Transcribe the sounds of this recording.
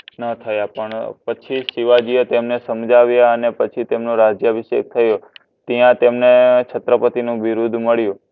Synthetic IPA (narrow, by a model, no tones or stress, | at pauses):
nət̪ʰəjapəɳpət͡ʃʰiʃiʋad͡ʒiot̪emnesəmd͡ʒaʋjaənepət͡ʃʰit̪emnũɾad͡ʒjaʋiʃḛk̚t̪ʰəjo | t̪əjãt̪emnet͡ʃʰət̪ɾəpət̪inũʋiɾud̪ʱməɭjũ